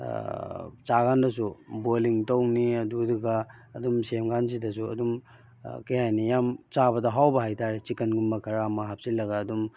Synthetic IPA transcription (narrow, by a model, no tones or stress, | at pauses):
t͡ʃaɡandɐs̬uboliŋtowniɐduduɡaːdumsemɡanzidɐs̬uɐ̰dum | kejhajnijamt͡ʃaβɐdɐɦawbɐɦajtaɾet͡ʃikɐnɡumbɐkʰɐɾamɐɦap̚silɐɡaːdum